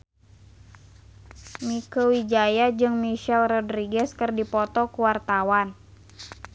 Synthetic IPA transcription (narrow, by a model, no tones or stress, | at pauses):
mikəwid͡ʒajad͡ʒɨŋmiʃɛlrɔdɾiɡɛskɨrdipɔt̪ɔkuwart̪awan